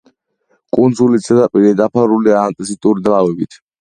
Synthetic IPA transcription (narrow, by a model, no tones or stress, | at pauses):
kʼund̪zulit̪sɛd̪apʼiɾid̪apʰaɾuliaːnt̪ʼisit̪ʼuɾid̪lavɛbit̪ʰ